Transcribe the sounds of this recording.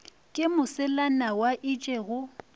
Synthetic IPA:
kʼɪmʊsɪlanawaʔit͡ʃʼeɣʊ

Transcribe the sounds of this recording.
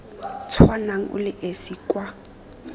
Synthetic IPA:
t͡sʰwanaŋ̩ʔʊ̰lɪʔesiːkʼwa

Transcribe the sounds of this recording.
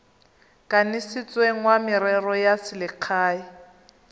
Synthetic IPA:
kʼanɪsɪt͡sʼweŋ̩wamɪɾɛrɔjasɪlɪq͡χʰaːi

